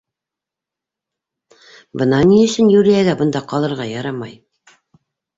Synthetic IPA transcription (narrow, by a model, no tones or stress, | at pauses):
bɤ̆nɑniɘ̆sɘnjuɾijæɡæbɤ̆nd̪ɑqɑlˠɤ̆ɾʁɑjɑɾɑmɑj